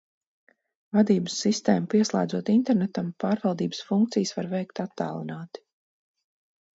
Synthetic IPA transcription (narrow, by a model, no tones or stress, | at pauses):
vad̪iːbəsːist̪ḛːmupiɛslˠa̰ːd̪zuɔt̪int̪ɛɾnɛt̪ampaːɾvalˠd̪iːbə̥sfuŋk̚t̪sijsvaɾvɛjkt̪at̪ːa̰ːlˠinaːt̪i̥